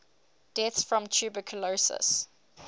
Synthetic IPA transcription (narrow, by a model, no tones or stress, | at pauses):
d̥ɛθsfɹɔ̃mt͡ʃʰʉːbəkʰəlosə̰s